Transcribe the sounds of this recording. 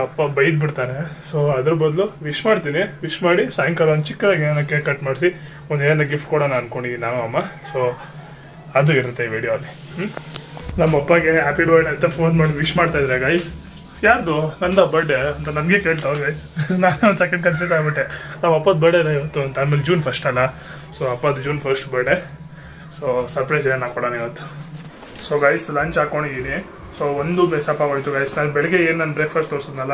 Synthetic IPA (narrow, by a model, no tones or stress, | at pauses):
ɐpːɐbɐjid̪biɽt̪aːɾesoːɐd̪ɾubɐd̪luʋiʃmaːɽt̪iːniʋiʂmaːɽisaːjɐŋkɐlaːnt͡ʃikːʋaːɡianɐkːekɐʈmaːɖsi | ɔnd̪eːɐnɐɡifʈkuːɽɐnaɐnkoɳɖinaːnuɐmːaso | ɐd̪uiɾut̪ːeiʋiːɽijoɐlːi | nɐmːɐɐpːɐɡeɦaːpiɖʋaːɖɐnt̪ɐpʰoːnmaːɽiʋiʂmaːɖt̪ajd̪aɾeɡaːjs | jaːɾd̪unɐnd̪ɐbɐɖeɐnt̪ɐnɐmɡekeːɭt̪aʋoɡajsnaːnonsɛkɐɳɖ̚kɐnfusaːɡbiʈːenaːʋɐpːɐd̪̚bɐɖeɾaiʋɐt̪ːuɐnt̪ɐaːmeːld͡ʒuːnpʰɐsʈɐlːɐ | soːɐpːɐd̪d͡ʒuːnpʰɐɾsʈbɐɾɖe | soːsɐɾpɾɐjsenaːkɔɽaniʋɐt̪ːu̥ | soːɡɐjslaːɲt͡ʃaːkoɳid̪ini | soːond̪umeːsɐpːaːɡojit̪ːuɡɐjsnaːnbɛɭɛɡeeːnnaːnbɾekʰpʰɐsʈt̪oːɾsod̪nɐlːɐ